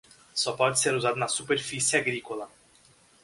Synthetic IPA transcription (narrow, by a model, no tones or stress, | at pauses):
sopat̪sʲaɾuzat̪nasuperfisʲiaɡɾikola